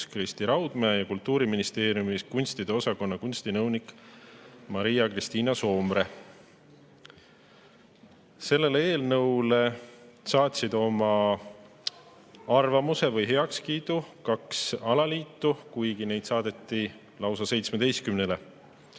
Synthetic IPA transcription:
krist̪iɾɑwd̪̥meːjɑkult̪ːuːɾiminist̪e̞ːɾjumiskunʲst̪id̪̥e̞o̞sɑko̞nːɑkunʲst̪inɤwnik | mɑɾijɑkrist̪iːnɑso̞ːmɾe̞ | se̞lːe̞leeːlnɤwle̞sɑːt̪ʲsid̪̥o̞mɑ | ɑrvɑmuse̞vɤjɦe̞ɑkskiːd̪̥ukɑksɑlɑliːt̪ːukujɡine̞jd̪̥sɑːd̪̥e̞t̪ːi | lɑwsɑse̞jt̪smed̪̥e̞jst̪kymnele̞

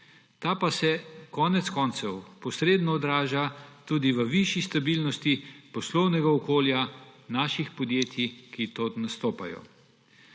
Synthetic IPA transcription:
t̪aːpasɛkɔːnɛt̪skɔnt̪sɛwpɔsɾeːd̪nɔːd̪ɾaːʒat̪uːd̪iʋəʋiʃist̪abilnɔst̪ipɔslɔwnɛɡaɔkoːljanaːʃixpɔd̪jeːt̪ʰikit̪ot̪nast̪oːpa̰jɔ̰

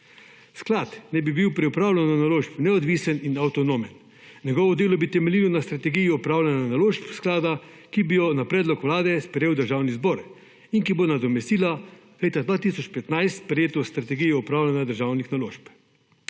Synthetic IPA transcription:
sklat̪nɛbibiwpɾɛupɾaːwlɛnanaloːʃpnɛɔd̪ʋiːsəninawt̪ɔnoːmɛn | ɲɛɡɔːʋɔd̪eːlɔbit̪ɛmɛliːlɔnast̪ɾat̪ɛɡijiɔpɾaːwlʲananaloːʃpsklaːd̪a | kibijɔnapɾɛːd̪lɔkʋlaːd̪ɛspɾɛjeːwd̪əɾʒaːwnizbɔːɾ | iŋkibonad̪ɔmɛst̪iːla | leːt̪ad̪ʋaːt̪isɔt͡ʃpɛt̪najst̪pɾɛjeːt̪ɔst̪ɾat̪ɛɡijiɔpɾaːwlʲanad̪əɾʒawnixnaloːʃp

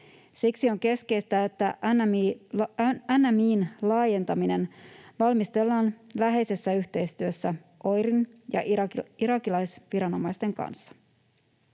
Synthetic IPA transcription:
siksio̞ŋke̞ske̞jst̪æe̞t̪ːæn | ænːæmiːnlɑːje̞nt̪ɑmine̞nʋɑlmist̪e̞lːɑːnlæɦe̞jse̞sːæyçt̪e̞jst̪yø̞sːæ | ʔo̞jɾinjɑ̰ʔiɾɑkilɑjsʋiɾɑno̞mɑjst̪e̞ŋkɑ̰nsːɑ̥

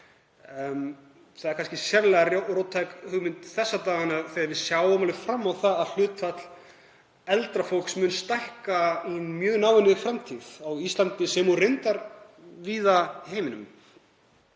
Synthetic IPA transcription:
θaðɛɾkʰanscɪsjɛvlɛɣarorowt̪ʰajkhʏɣmɪnt̪θɛsːat̪aːɣanaðθeaɾvɪðsjawʏmalɪfɾamːawθaðaðl̥ʏːt̪fat̪l̥ | ɛlt̪ɾafowl̥ksmʏnst̪ajhkaimjœːɣnaːwɛnɪɣfɾamt̪ʰiðawist̪lant̪ɪsɛmurɪnt̪aɾviːðaheːjmɪnʏm

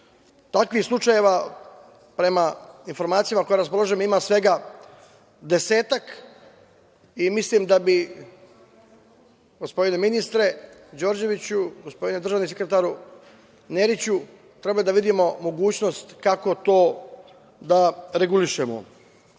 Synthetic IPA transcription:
t̪akʋixslˠut͡ʃaje̞ʋa | pɾe̞mainfo̞ɾmaːt̪sijamako̞jeɾaspo̞lˠoʒemimaːsʋe̞ɡa | d̪e̞se̞ːt̪ak | imislimd̪abi | ɡ̥o̞spo̞d̪ine̞minist̪ɾe̞d͡ʑo̞ːɾd͡ʑe̞ʋit͡ɕuɡo̞spo̞d̪ined̪r̩ʒanisekɾet̪aːɾu | neɾit͡ɕu | t̪ɾe̞balid̪aʋid̪imo̞mo̞ɡuːt͡ɕno̞st̪kako̞t̪o̞ː | d̪aɾe̞ɡuliʃemo̰

